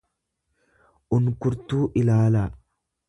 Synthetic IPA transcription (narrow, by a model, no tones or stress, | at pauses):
ʔʊnkʊɾt̪uːʔɪlaːla